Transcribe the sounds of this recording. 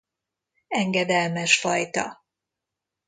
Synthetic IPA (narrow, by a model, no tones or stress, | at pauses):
ɛŋɡɛd̪ɛlmɛʃfɒjt̪ɒ̰